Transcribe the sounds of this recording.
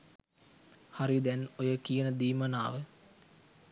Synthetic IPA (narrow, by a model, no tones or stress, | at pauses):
haɾid̪ɛnojəkijənəd̪iːməna̰ːʋə